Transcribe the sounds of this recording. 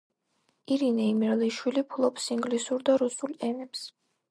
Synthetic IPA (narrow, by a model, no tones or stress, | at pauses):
iɾinɛimɛɾliʃwilipʰlˠɔpsiŋɡlisuɾd̪aɾusulˠɛnɛps